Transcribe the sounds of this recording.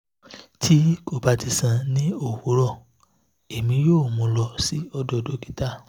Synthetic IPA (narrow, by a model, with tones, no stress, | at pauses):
tʰi˦ko˦˨ba˨˦ti˧sã˧nĩ˦o˦˨wo˨˦ɾɔ˦˨ | e˨mĩ˧˦joː˦˨mũ˧lɔ˧si˨˦ɔ˧dɔ˧do˦ki̥˦ta˦˨